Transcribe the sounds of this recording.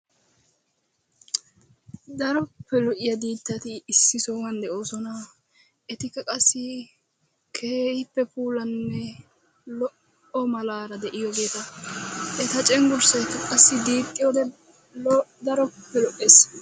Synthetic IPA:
d̪ɐɾɔpːɛlɔʔɪjɐd̪iːt̪ːɐt̪ɪːsːɪsoːwɐnd̪ɛʔo̞ːsɔnɐ | ʔɛt̪ɪkːɐkʼɐsːɪ | kʰeːhɪpːɛpuːlɐnːɛ | lɔʔ | ɔmɐlaːɾɐd̪ɛʔɪjɔɡe̞ːt̪ɐʔɛt̪ɐt͡ʃʼɛŋɡʊɾsɐjkɐkʼɐsːɪd̪iːt̪ʼːɪjɔːd̪ɛ | d̪ɐɾɔpːɛlɔʔeːs

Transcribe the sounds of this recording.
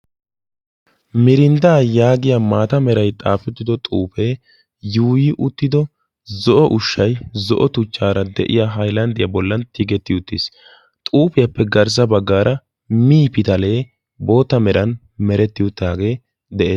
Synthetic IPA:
mɪɾɪnd̪aːjaːɡɪjamaːt̪ɐmɛɾɐjt̪ʼaːfɛt̪ːɪd̪ɔt̪ʼṵːfeː | juːjɪʔʊt̪ːɪd̪ɔ | zɔʔɔʔʊʃːɐjzɔʔɔt̪ʊt͡ʃːaːɾɐd̪ɛʔɪ̰jaɦɐjlɐnd̪ɪjɐbɔlːɐnt̪iɡɛt̪ːɪʊt̪ːɪs | t̪ʼuːpɪjɐpːɛɡɐɾs̬ɐbɐɡːaːɾʔɐ | miːpɪt̪ɐle̞ː | bo̞ːt̪ːɐmɛɾɐn | mɛɾɛt̪ːɪjʊt̪ːaːɡe̞ː | d̪ɛʔe̞ːs

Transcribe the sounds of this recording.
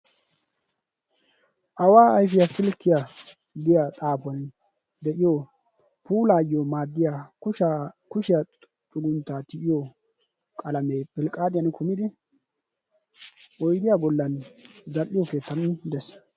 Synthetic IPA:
ʔɐwaːɐjfɪjasɪlkːɪja | d̪ɪjat̪ʼaːpʊɐn | d̪ɛʔɪjo | puːlaːjjomaːd̪ːɪjakʊʃkʊʃɪja | t̪ʼʊɡʊnt̪ːaːt̪ɪʔɪjo | kʼɐlɐmeːpɪlkʼːaːd̪ʼɪjankʰʊmɪd̪ɪ | ʔɔjd̪ɪjabɔlːɐnzɐlːɪjoke̞ːt̪ːɐnd̪ɛs

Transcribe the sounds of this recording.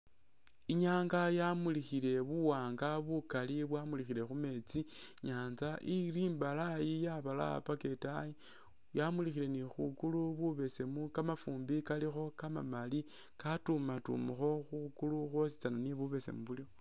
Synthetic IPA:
iɲaːŋɡajamulixile̞βuwaːŋɡaβukaliβwamulixile̞xume̞t͡siɲaːnzaʔiɾiːmbalajijaβala̰pake̞taji | jamulixile̞nixukuluβuβe̞se̞mukamafuːmbikalixo̞kama̰mali | katumatṵmuxo̞xukuluxwosi̥t͡sananiβuβe̞se̞̰muβulio

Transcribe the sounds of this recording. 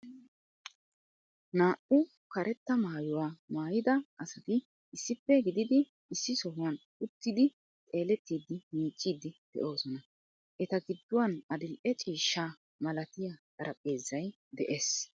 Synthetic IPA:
naːʔʊ | kɐɾɛt̪ːɐmaːjʊwaːmaːjɪd̪ɐʔɐsɐt̪ɪ | ɪsːɪpːɛɡɪd̪ɪd̪ɪ | ɪsːɪsɔɦʊwɐn | ʊt̪ːɪd̪ɪ | t̪ʼe̞ːlɛt̪ːiːd̪ːɪmiːt͡ʃʼːiːd̪ɪd̪̥ɛ̰ʔo̞ːsɔnɐ | ʔɛt̪ɐɡɪd̪ːʊwɐnɐd̪ɪlʔɛt͡ʃʼiːʃːaː | mɐlɐt̪ɪjakʼɐɾɐpʼeːzːɐj | d̪ɛʔeːs

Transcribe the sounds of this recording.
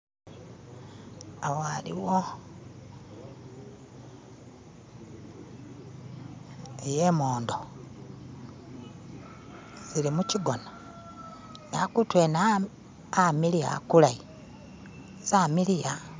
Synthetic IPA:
awoalḭwo | ejemoːndo | zilimuciɡo̞na | nakutwena | amilia̰kulai | zamilija

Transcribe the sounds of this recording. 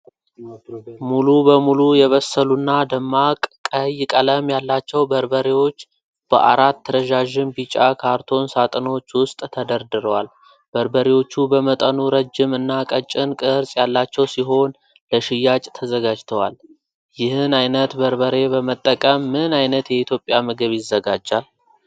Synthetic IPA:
mulubəmulujɛβəsəlunːad̪əmːakʼkʼəjkʼələmjalːat͡ʃːɛwbəɾbəɾewo̞t͡ʃː | b̥ə̰ʔa̰ɾat̪ːəɾəʒaʒɪmbit͡ʃʼakʰaɾt̪ʰo̞nsat̪ʼɨno̞t͡ʃːwʊst̪ʼt̪ʰəd̪əɾd̪ɨɾəwal | bəɾbəɾewo̞t͡ʃːubəmət̪ʼənuɾəd͡ʒɪmɨnːakʼət͡ʃʼːɪnkʼɨɾsʼjalːat͡ʃːɛwsiɦo̞n | ləʃɪjat͡ʃʼt̪ʰəzəɡad͡ʒt̪ʰəwa̰l | jɪhɨnajnət̪bəɾbəɾe̞bəmət̪ʼːəkʼəmːɨnajnət̪jɛit̪ʰjo̞pʼjamɨɡɨβjɪzːəɡad͡ʒːal

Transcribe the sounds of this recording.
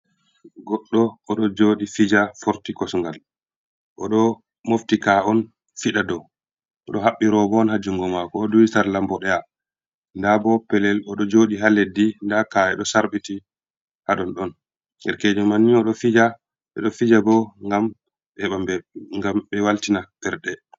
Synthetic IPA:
ɡɔɗːɔʔɔɗɔd͡ʒoːɗifid͡ʒafɔɾtikɔsŋɡal | ʔɔɗɔ | moftikaɔn | fiɗadɔ | ʔɔɗɔɦaɓːiɾɔbɔɔnhad͡ʒuŋɡɔmakɔɔdujisaɾlambɔɗɛja | ndabɔpɛlɛlɔɗɔd͡ʒoːɗiɦaledːindakajɛɗɔsaɾɓiti | haɗɔnɗɔn | ɡɛɾkeːd͡ʒumaniɔɗɔfid͡ʒa | ɓɛ̰ɗɔfid͡ʒabɔŋɡam | ɓɛɓambɛŋɡamɓɛwaltinab̥ɛɾɗɛ

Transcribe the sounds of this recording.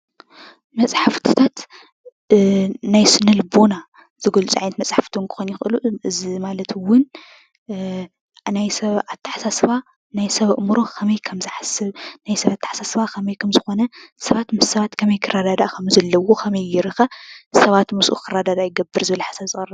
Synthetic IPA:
mɐt͡sʼħaft̪ʰi̥t̪ʰat̪ | najsɨnɨlbo̞na | z̥ɐɡolt͡sʼuʕajnɐt̪mɐt͡sʼħaft̪ʰiŋkʰɨ̥xonjɪxʔɨluʔɨzimalɐt̪ʰwʊn | najsɐβʔat̪ʰːɨ̥ħasasɨβa | najsɐβɨʔmuɾo̞kʰɐmɐjkʰɐmzɨħasɨβnajsɐβat̪ʰːaħḁsasβakʰɐmɐjkʰɐmzɨxo̞nɐsɐβat̪mɨsːɐβat̪kʰɐmɐjkʰɨrad̪ad̪aʔkʰɐmzɐlːɐwokʰɐmɐjjɪɾɨxɐsɐβat̪mɨsʔṵkʰɨrad̪ad̪ajɡɐbːɨɾzɨβɐlħasaβsʼɨχʼrɐ

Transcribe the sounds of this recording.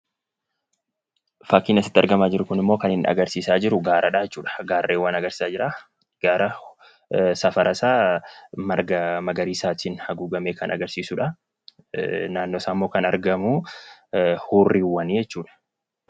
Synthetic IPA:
fɐkːiːnɐsɪ̥t̪ːɐ̰ɾɡɐmaːd͡ʒɪɾʊkʊnɪmːo̞ːkɐnhɪnɐ̰ɡɐɾsiːsaːd͡ʒɪɾʊɡaːɾʔɐᶑaːd͡ʒɛt͡ʃːuːᶑɐ̥ɡaːrːʔeːwːaːnɐɡɐɾsi̥ːsaːd͡ʒɪɾaː | ɡ̥aːɾɐ | sɐfɐɾʔɐsaːmɐɡɐmɐɡɐɾiːsaːt̪ʰiːnhɐɡuːɡɐmeːkɐnɐ̰ɡɐɾsiːsʊᶑɐ | naːnːoːsaːmːoːkɐnɐ̰ɾɡɐmu | huːrːiwːɐniːd͡ʒɛt͡ʃːuːᶑɐ̥

